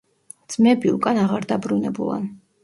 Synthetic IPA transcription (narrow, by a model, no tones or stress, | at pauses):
d̪z̥mɛbiukʼanaʁaɾd̪abɾunɛbṵlˠa̰n